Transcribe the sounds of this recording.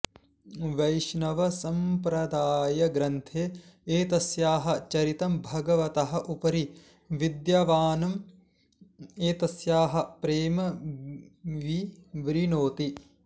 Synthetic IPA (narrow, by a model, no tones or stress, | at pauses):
ʋɐjʃnɐʋɐsɐmpɾɐd̪aːjɐɡɾɐnt̪ʰeːeːt̪ɐsjaːɦɐ̆t͡ʃɐɾit̪ɐmbʱɐɡɐʋɐt̪ɐɦɐ̆ʔupɐɾi | ʋid̪jɐʋaːnɐm | eːt̪ɐsjaːɦɐ̆pɾeːmɐ | ʋiʋɾinoːt̪i